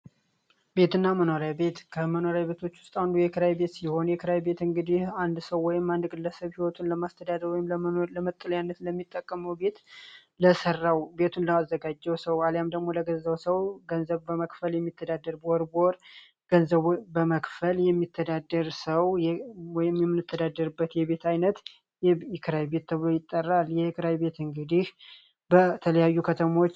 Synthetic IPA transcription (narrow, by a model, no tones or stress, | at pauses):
be̞t̪ɨnːaməno̞ɾjabe̞t̪kʰəməno̞ɾjabe̞t̪ʰo̞t͡ʃːwʊst̪ʼand̪ujɛkʰɨɾajbe̞t̪siho̞njɛkʰɨɾajbe̞t̪ɨŋɡɨd̪ihand̪səwːɔjɪmːand̪ɡɨlːəsəβhiwɔt̪ʰunləmast̪ʰəd̪ad̪əɾwɔjɪmləmənoləmət̪ʼːɨljanːət̪ləmːit̪ʼːəkʼːəməwbe̞t̪ | ləsərːawbe̞t̪ʰunləazːəɡad͡ʒːɛwsəwaljamd̪əɡmo̞ləɡəzːəwsəwɡənzəβbəməkfəljɛmːit̪ʰːəd̪ad̪ːəɾboɾbo̞ɾ | ɡ̥ənzəβbəməkfəljɛmːit̪ʰːəd̪ad̪əɾsəwjwɔjɪmjɛmːɨnːɨt̪ʰːəd̪ad̪ːəɾɨbːət̪jɛβe̞t̪ʰajnət̪ | jkʰɨɾajbe̞t̪ʰːəβlo̞jɪt̪ʼːərːaljɛkɨɾajbe̞t̪ɨŋɡɨd̪ih | bət̪ʰələjajːukʰət̪ʰəmo̞t͡ʃː